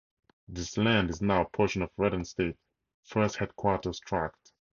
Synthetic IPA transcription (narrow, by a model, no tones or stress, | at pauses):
ðɪslæ̃ndɨznaʊəpʰɔɹʃə̃nɔvɹɛɾə̃nsteɪt̚ | fɜ˞st̚hɛd̚kʰw̥ɔtə˞stʰɹ̥æk̚t